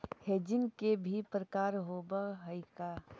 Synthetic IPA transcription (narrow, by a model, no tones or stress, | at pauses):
heːd͡ʒɪ̃ŋɡkebʱipɾəkaːɾɦoːbəɦəɪka